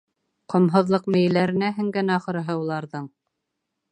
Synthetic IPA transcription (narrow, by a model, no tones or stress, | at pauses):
qʰŏmɦŏðlˠɤqmɘ̆j̆læɾɘ̆næɦɘ̆ŋɡɘnæɑχɤ̆ɾɤ̆ɦɤulˠɑɾðɤɴ